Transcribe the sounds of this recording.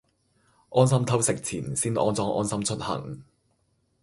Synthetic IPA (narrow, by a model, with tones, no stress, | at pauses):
ʔɔː˥nsɐ˥mt̪ʰɐ˥wsɪ˨k̚t͡sʰiː˨˩nsiː˥nʔɔː˧nt͡sɔː˧ŋʔɔ̰ː˥nsɐ˥mt͡ʃʰɵ˥t̚hɐ̰˨˩ŋ